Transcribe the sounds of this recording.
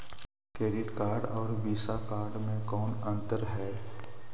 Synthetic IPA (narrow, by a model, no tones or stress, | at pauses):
kɾeːɖɪʈkaːɾɖɔːɾʋiːsakaːɾɖmẽkɔːnə̃nt̪əɾɦɛː